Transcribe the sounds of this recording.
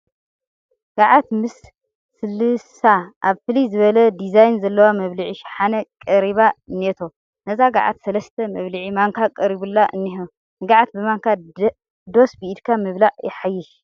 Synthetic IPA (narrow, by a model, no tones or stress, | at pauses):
ɡ̥aʕat̪mɨsː | ɨlːɨsaʔaβfɨlizɨβɐlɐd̪izajnzɐlːɐwamɐβliʕiʃħanɐkʼɐɾiβaɨnːet̪ʰo | nɐzaɡaʕa̰t̪sɐlɐst̪ʰɐmɐβliʕimaŋkʰakʼɐɾiβulːaʔɨ̰nːiɦo | nɨɡaʕat̪̚bɨmaŋkʰa | d̪o̞sbiid̪kʰamɨβlaʕjɪħajːɪʃ